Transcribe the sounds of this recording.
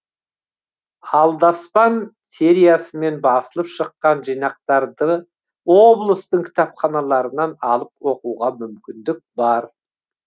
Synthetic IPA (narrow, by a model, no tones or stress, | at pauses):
ɑlˠd̪ɑspɑn | sʲe̞ɾijasəme̞nbɑsəlˠəpʃəqːɑnʒijnɑq̚t̪ɑɾd̪ə | wo̞blˠəst̪əɴkʲʰɪ̥t̪ɑpχɑnɑlˠɑɾənɑnɑlˠəp̚wo̞quʁɑmʏmkʲɪnd̪ɪk̚bɑɾ